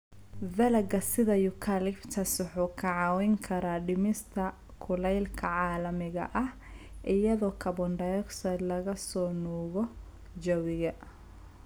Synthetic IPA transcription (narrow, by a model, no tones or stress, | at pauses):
vɐlɐɡɐsɪðɐjʊkʰalɪbt̪ʰɐswʊħuːkʰɐʕɑːwɛjŋkʰɐɾaːɖɪmɪst̪ʰɐ | kʰʊlɛjlkʰɐʕɑːlɐmɪɣɐ̰ʔɐh | ʔɪjɐðɔːkʰɐβɔnɖɐjɔksɐlɐɣɐsɔːnuːɣɔ | d͡ʒɐwɪɣɐ